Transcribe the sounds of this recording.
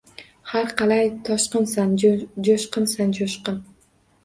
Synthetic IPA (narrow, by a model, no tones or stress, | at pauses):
haɾqʰɑlajt̪ʰɒʃqɨnsand͡ʒoʃqɨnsand͡ʒoʃqɨn